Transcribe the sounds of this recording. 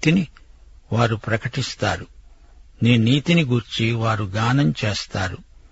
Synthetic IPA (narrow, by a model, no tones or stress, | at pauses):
t̪iniʋaːɾupɾɐkɐʈist̪aːɾu | niːniːt̪iniɡuːɾt͡ʃiʋaːɾuɡaːnɐmt͡ʃeːst̪aːɾu